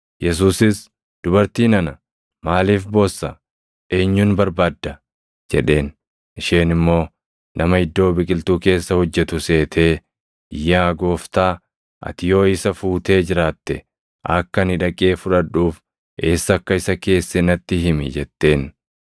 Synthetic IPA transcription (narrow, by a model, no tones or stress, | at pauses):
jɛs̬uːsɪs | d̪̥ʊbɐɾt̪iːnɐnɐ | maːliːfbo̞ːsːɐ | e̞ːɲːuːnbɐɾbaːd̪ːɐ | d͡ʒɛᶑe̞ːn | ʔɪʃeːnɪmːo̞ː | nʔɐmɐhɪd̪ːo̞ːbɪkʼɪlt̪uːke̞ːsːɐhɔd͡ʒːɛt̪ʊse̞ːt̪ʰe̞ː | ɪjːaːɡo̞ːft̪aː | ʔɐ̰t̪ɪjo̞ːɪsɐfuːt̪e̞ːd͡ʒɪɾaːt̪ːɛ | ʔɐkːɐnɪᶑɐkʼe̞ːfʊᶑɐᶑuːf | ʔe̞ːsːɐkːɐɪsɐke̞ːsːɛnɐt̪ːɪɪmɪ̰d͡ʒɛt̪ːe̞ːn